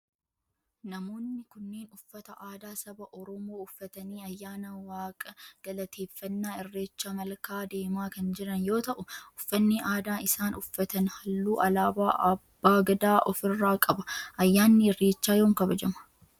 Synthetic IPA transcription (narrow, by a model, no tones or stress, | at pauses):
nɐmo̞ːnːɪkʊnːeːnʊfːɐt̪ɐʔaːd̪aːsɐbɐʔɔɾɔmoːʊfːɐt̪ɐniːɐjːaːnɐwaːkʼɐɡ̥ɐlɐt̪ʰeːfːɐnːaːɪrːe̞ːt͡ʃːaːmɐlkaːd̪e̞ːmaːkɐnd͡ʒɪɾɐnjo̞ːt̪ɐʔʊʊfːɐnːiʔaːd̪aːɪsaːnʊfːɐt̪ɐnhɐlːuːʔɐlaːbaːʔɐb̥ːaːɡɐd̪aːʔɔfɪrːaːkʼɐbɐʔɐjːaːnːɪɪrːeːt͡ʃːaːjo̞ːŋkɐbɐd͡ʒɐmɐ̥